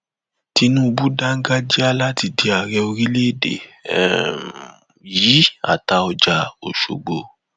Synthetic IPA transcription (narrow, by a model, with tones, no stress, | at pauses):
ti˧nũ˦u˧bu˦da˦ŋ̩˦ɡa˦d͡ʒi˦a˦la˦ti˧di˧a˨ɾɛ˧o˧ɾĩ˦le˦˨dḛ˨ | jiː˨˦a̰˦˨ta˧˦ɔ˧d͡ʒa˧o̰˨ʃo̰˨ɡ͡bo˨